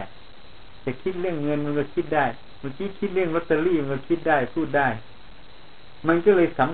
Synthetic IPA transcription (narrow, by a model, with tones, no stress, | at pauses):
t͡ɕɛː˨˩kʰi˦˥t̪̚ɾɯ˥˩əŋːɤ˧nma˧nkɔ˧˩kʰi˦˥t̪̚daː˥˩j | ma˧˩kiː˧˥kʰi˦˥t̪̚lɯ˥˩əŋlt̪ːa˧liː˥˩ma˧nkɔ˧˩kʰi˦˥t̪̚daː˥˩jpʰuː˥˩t̪̚daː˥˩j | ma˧nkɔː˥˩lɤː˧jsa˨˦m